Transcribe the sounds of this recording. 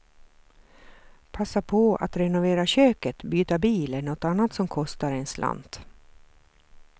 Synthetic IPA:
pʰasːapʰɔa̰t̪ɾɛnʊveːɾaɕøːkət̪byːt̪abiːləɳɔt̪ːanːat̪sɔmkʰɔst̪aɾɛnslʔa̰nd̪

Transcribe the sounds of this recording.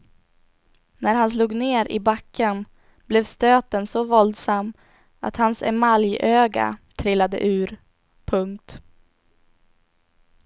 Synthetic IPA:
næɾhans̬luːɡneːɾɪ̰bakʰːən | blɛvst̪øːt̪ənsɔvɔld̪samː | a̰t̪hansɛ̰maljøːɡa̰t̪ʰɾɪlːad̪ə̰ʔʉ̟ːɾ | pʰɵŋk̚t̪

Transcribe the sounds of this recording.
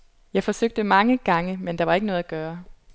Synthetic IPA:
jɑ̈ɪfɒ̽søɡ̥̚d̥əmɑ̈ŋəɡ̥ɑ̈ŋəmend̥ɑ̈ʋɑ̈e̝ɡənɔːð̩ˠæɡ̥ɶːɐ

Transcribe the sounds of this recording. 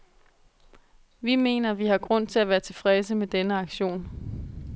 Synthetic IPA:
ʋime̝̰ːnɐʋihɑ̈ɡ̥ʁɔ̽n̰t͡sʰe̝læʋæːɐt͡sʰe̝fʁɛs̬əmed̥enəɑ̈ɡ̥ɕo̝̰ːn

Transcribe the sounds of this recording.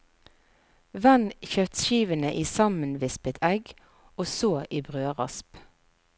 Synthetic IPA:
ʋɛnçœt̪ʃiːʋənəʔiːsɑmənʋɪspət̪ʰɛɡ | oːsoːʔiːbʁøːʁɑ̰sp

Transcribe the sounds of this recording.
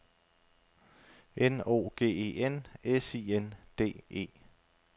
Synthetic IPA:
ʔeno̝̰ːɡ̥e̝̰ːe̝̰ːenesiːend̥e̝̰ːe̝̰ː

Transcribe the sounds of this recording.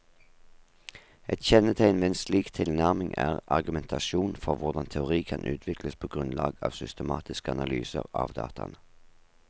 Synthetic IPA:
ɛt̪çɛnət̪ʰæɪnʋeːeːnsliːkt̪ʰɪlnæʁmɪŋʔæːʁɑʁɡʉmɛnt̪ʰɑʃuːnfɔʁʋʊʁd̪ɑnt̪ʰɛʊʁiːkʰɑnʔʉ̰ːt̪ʰʋɪkləspʰoːɡʁʉnlɑːɡɑːʋsʏst̪əmɑːt̪ɪskəɑnɑly̰ːsə̰ʁɑːʋd̪ɑ̰ːt̪ʰɑnə

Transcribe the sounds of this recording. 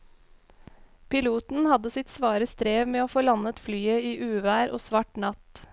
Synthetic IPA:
pɪluːt̪n̩hɑd̪əsɪt̪sʋɑːɾəst̪ɾeːʋmeːoːfoːlɑnət̪flyːəiːʔʉːʋæːɾʔo̰ːsʋɑʈnɑt̪

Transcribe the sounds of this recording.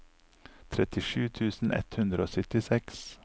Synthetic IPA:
t̪ʰɾɛt̪ɪʃʉːt̪ʰʉːsn̩ʔɛ̰t̪hʉnd̪ɾəoːsʏt̪ɪsɛks

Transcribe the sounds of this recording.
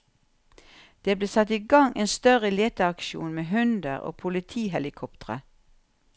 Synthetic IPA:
d̪̥eːbleːsɑt̪iːɡɑŋʔeːnst̪œʁəleːt̪əɑkʃṵːnmeːɦʉnd̪ə̰ʁo̰ːpʰʊlɪt̪ʰiːhɛlɪkʰɔpt̪əʁə̰

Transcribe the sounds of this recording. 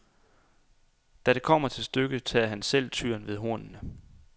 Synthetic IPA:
d̥æɾ̥e̝kʰɒ̽m̰ɐt͡sʰe̝lsd̥øɡ̥ət͡sʰɛːɐɦænsel̰t͡sʰyɐ̰nʋe̝ð̞ˠɦo̝ɐ̰nnə

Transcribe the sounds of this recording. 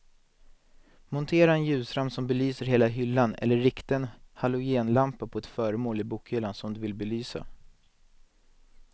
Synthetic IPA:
mʊnt̪ʰeːɾaɛnjʉ̟ːsɾamsɔmbɛlyːsəɾɦeːlaɦʏlːanɛ̰lːəːɪkt̪ənhalʊjeːnlampapʰɔɛt̪fœːɾəmoːlɪbuːkhʏlːansɔmd̪ɵvɪlbɛlyːsa̰

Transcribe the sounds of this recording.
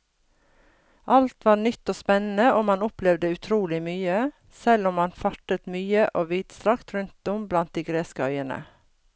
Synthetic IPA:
ʔɑlt̪ʋɑːɳʏt̪ːoːspɛnn̩əʔoːmɑnʊplɛʋd̪əʉt̪ʰɾuːlɪmyːə | sɛlʊmɑnfɑʈət̪myːəʔoːʋiːd̪̥st̪ɾɑkt̪ɾʉnt̪̚d̪ɔmblɑnt̪̚d̪iːɡɾeːskəœʏənə̰

